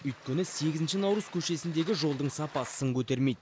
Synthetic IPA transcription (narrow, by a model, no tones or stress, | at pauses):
ʏjt̪̚kʲenɪse̞ɡʲɪzɪnʃɪnɑwɾəz̥kʲʰɵʃe̞sɪnd̪e̞ɡʲɪʒo̞lˠd̪əɴsɑpɑəŋkʲʰɵt̪e̞ɾme̞jd̪